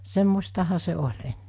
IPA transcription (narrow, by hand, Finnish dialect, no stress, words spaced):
semːostɑhɑ se olʲ enːe